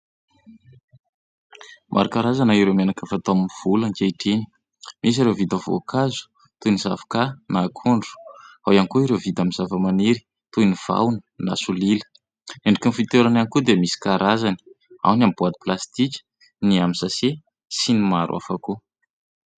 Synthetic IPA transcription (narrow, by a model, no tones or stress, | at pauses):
mʔa̰ɾukaɾazanaiɾemanakəfat̪aminv̥uləŋkeiʈ͡ʂeni̥ | mʔis̬iɾewvid̪əvo̰kʰazu̥ | t̪uniza̰vakanakʰuɳɖ͡ʐu̥ | awankuiɾevid̪amiz̥avəmaneɾi̥ | t̪univ̥a̰wnə̥na̰sulilə̥ | eɳɖ͡ʐukinfit̪eɾananikud̪eamisi̥kaɾazani̥ | a̰wnambuad̪i̥plast̪ikʲə̥ | niamisase | sinimaɾua̰faku